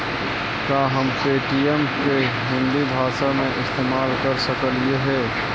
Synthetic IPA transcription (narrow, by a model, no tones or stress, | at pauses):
kaːɦəmkeːʈiemke | ɦɪ̃nd̪ibʱaːsamẽʔɪst̪eːmaːlkəɾsəkəlieɦɛː